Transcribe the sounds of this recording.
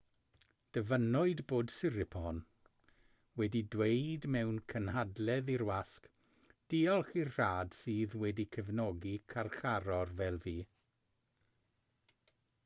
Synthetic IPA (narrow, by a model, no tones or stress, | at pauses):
d̥əvənɔɨdboːdsɪɾɪpʰɔn | wɛdidwejdmɛwnkʰənhadlɛðiɾwask | d̥iɔlˠχirr̥aːd̥siːðwɛdikʰəvnɔɡikʰarχaɾɔrvɛlˠviː